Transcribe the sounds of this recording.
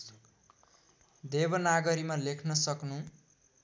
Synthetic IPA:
d̪ebʌnaɡʌɾimalekʰnʌsʌknũ

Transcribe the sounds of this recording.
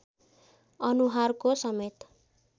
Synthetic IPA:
ʌnuɦarkosʌmet̪

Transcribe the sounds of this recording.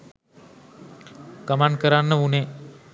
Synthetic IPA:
kəmaːnkəɾaːnːɐʋune

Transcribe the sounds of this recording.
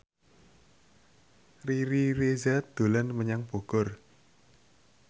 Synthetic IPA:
riɾiɾezad̪̥o̤lənməɲaŋb̥o̤ɡ̥ɔr

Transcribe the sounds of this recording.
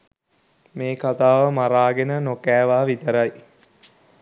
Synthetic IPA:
meːkat̪aːʋəmaɾaːɡenənokæːʋaːʋit̪əɾaj

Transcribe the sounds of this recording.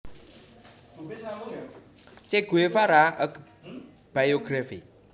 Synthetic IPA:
t͡ʃʼeɡ̥uefaɾaək | b̥ajoɡɾafi

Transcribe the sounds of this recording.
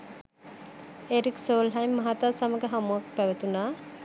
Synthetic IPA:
eɾiksoːlɦajmːaɦat̪asaməɡəɦamuak̚pæʋet̪unaː

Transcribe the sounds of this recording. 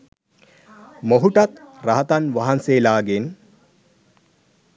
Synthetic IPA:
moɦuʈat̪raɦɐt̪anʋaɦanseːlaːɡen

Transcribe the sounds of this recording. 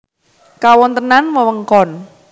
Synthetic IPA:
kawɔnt̪ənanməwəŋkɔn

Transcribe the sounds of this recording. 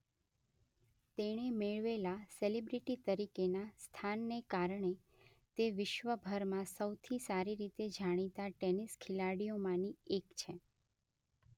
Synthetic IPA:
t̪eɽ̃emeɭʋelaselibɾiʈit̪əɾikenast̪ʰanːekaɾɳe | t̪eʋɪʃʋəbʱəɾmãsəwt̪ʰisaɾiɾit̪ed͡ʒaɽ̃it̪aʈeniskʰɪlaɽijomãniekt͡ʃʰe

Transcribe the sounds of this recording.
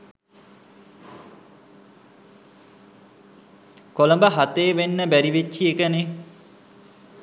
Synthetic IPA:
koləmbəɦat̪eːʋenːəbæɾiʋet͡ʃʃiekəne

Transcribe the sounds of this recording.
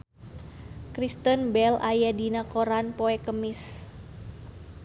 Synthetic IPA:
kɾist̪ənbɛlʔajadinakoɾanpoɛkəmis

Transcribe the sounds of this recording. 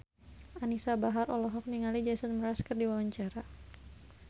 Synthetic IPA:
ʔanisabaɦaɾʔɔlɔɦɔk̚niŋalid͡ʒasɔnməɾaskərdiwawaɲt͡ʃaɾa

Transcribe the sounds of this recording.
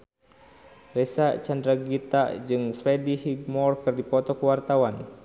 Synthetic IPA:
rɛsat͡ʃandɾaɡit̪ad͡ʒɨŋfɛdihiɡ̚mɔrkɨrdipɔt̪ɔkuwart̪awan

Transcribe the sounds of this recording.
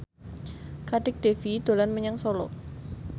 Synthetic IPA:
kaɖ̥ɪk̚d̥efid̪̥o̤lanməɲaŋsolɔ̰

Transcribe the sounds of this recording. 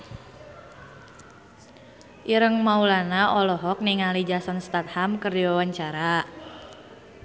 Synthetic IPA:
ʔiɾəŋmaulanaʔɔlɔɦɔk̚niŋalid͡ʒasɔnst̪at̪̚hamkərdiwawaɲt͡ʃaɾa

